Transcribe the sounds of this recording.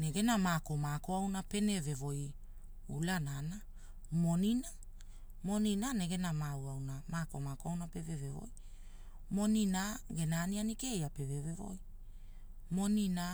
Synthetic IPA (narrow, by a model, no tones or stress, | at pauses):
neɡe̞namako̞mako̞awnape̞ne̞ve̞vo̞j | ulanana | mo̞nina | mo̞ninane̞ɡe̞namawawnamakomakoawnape̞vevevo̰j | mo̞ninaɡe̞naːnianikejape̞vevevo̞̰j | mo̞nina